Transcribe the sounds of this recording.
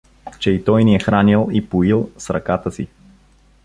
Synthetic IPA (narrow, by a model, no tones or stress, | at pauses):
t͡ʃɛit̪ɔjniɛxɾanilˠipʊilˠsɾɐkat̪əsi